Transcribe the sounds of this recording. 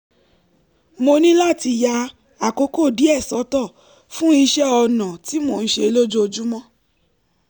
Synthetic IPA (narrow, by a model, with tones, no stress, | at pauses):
mo˧nĩ˦la˦˨ti˧ja˧ | a˨ko˧˦ko˦˨di˨˦ɛ˦˨sɔ˨˦tɔ˦˨ | fũ˦i˧ʃɛ˦ɔ˧nã˨ti˨˦mo˦˨ñ̩˦ʃe˧lo˦d͡ʒo˦o˧d͡ʒu˦mɔ̃˦